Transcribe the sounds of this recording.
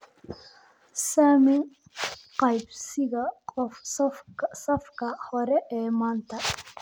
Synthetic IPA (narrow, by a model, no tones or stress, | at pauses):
saːmɪn | qɑjbsɪɣɐfsɐsɐfkʰɐhɔɾɛʔɛːmaːnt̪ʰɐ